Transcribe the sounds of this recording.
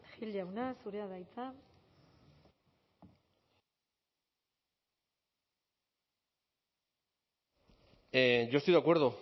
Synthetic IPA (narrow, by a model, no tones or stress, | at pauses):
xild͡ʑawnasuɾeaðajt͡sa | eʝost̪ijðakwe̞ɾðo